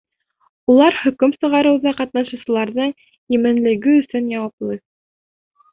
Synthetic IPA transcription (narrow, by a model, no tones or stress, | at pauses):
ulˠɑɾhɵ̆kɵmsɤ̆ʁɑɾɤ̆wðɑqɑt̪̚nɑʃŭwsɤ̆lˠɑɾðɤɴ | jɘ̆mɘ̆nlɘ̆ɡɘɵ̆sɵnjɑwɑplˠɤ